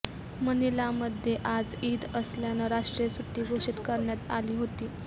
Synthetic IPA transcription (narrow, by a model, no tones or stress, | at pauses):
mənilaməd̪ʱjeʔad͡ziːd̪əsljanaɾaʂʈɾjesuʈːiːɡʱoʂit̪kəɾɳjat̪a̰liːɦot̪iː